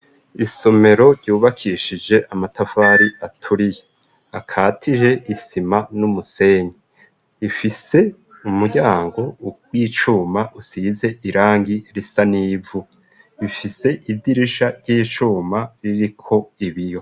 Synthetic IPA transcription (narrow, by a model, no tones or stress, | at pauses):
iso̞me̞ɾo̞ɾɟuːβakʰiʃid͡ʒe̞ʔamatafaːɾiatʰuɾije | akʰaːtʰiʒe̞ʔisimanumuse̞ːɲi | ifise̞ | umuɟaːŋɡo̞wiːt͡ʃuːmaʔusiːze̞ʔiɾaːŋɡiɾisaniːvu | βifise̞ʔidiɾiʃaɾɟiːt͡ʃuːmaɾiɾikʰo̞iβijo̞